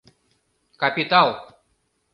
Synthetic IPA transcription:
kɐpʲit̪alˠ

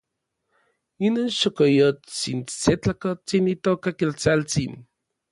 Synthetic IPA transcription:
inoːnʃokojot͡sinset͡ɬakot͡sinit̪okakelt͡salt͡sin

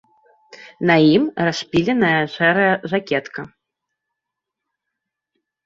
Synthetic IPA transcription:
nɐjimrasʲpʲilʲɛnɐjɐʂɛɾɐjɐʐakʲɛt̪kɐ

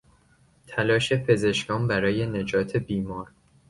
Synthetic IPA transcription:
t̪ʰælɒːʃe̞pʰe̞ze̞ʃkɒːmbæɾɒːje̞ne̞d͡ʒɒːt̪ʰe̞biːmɒːɾ

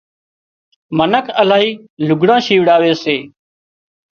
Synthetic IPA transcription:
mənəkʰəlaːɦiː | lʊɡʱɽãːʃiːʋɽaːʋeːseː

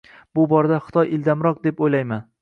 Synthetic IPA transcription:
b̥ʊbɒɾad̪aχɨ̥t̪ʰɒjɪld̪amɾɒq̚d̪e̞pojlajman

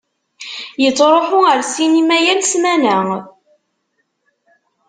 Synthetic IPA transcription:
jət͡sːɾˤoħʊəɾsinimæjælsmænə

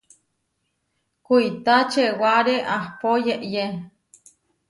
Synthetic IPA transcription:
kuit̪at͡ʃewaɾeʔahpojeʔje

